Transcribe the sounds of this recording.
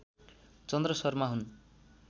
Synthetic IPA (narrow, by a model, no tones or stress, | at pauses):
t͡sʌnd̪rʌsʌrmaɦun